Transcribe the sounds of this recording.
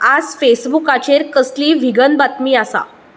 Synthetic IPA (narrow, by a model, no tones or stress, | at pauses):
ad͡zfesbukat͡ɕeɾkəsliːʋʱiɡənbat̪miːasa̰